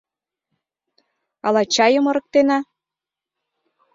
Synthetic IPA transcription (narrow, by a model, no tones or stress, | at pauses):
ɑlɑt͡ɕɑjə̆mɤ̆ɾɤ̆k̚t̪enɑ